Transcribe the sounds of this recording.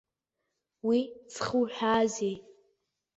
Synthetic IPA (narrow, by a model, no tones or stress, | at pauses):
wit͡sʰχuħᶣaːzejtʼ